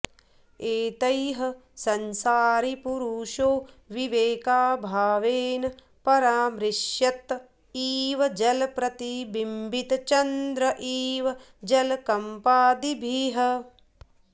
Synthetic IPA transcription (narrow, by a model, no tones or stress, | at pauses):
eːt̪ɐjɦɐ̆sɐnsaːɾipuɾuːʃoː | ʋiʋeːkaːbʱaːʋeːnɐ | pɐɾaːmɾɪʃjɐt̪ | iːʋɐd͡ʒɐlpɾɐt̪ibimbʱit̪t͡ʃɐnd̪ɾɐʔiːʋɐ | d͡ʒɐlkɐmpaːd̪ibʱiːɦɐ